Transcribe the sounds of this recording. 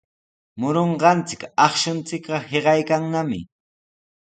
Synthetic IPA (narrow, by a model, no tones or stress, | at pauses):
mʊɾoɴɢɑnt͡sɪkɑχʃʊnt͡sɪkɢɑheɢɑjkaŋnamɪ̰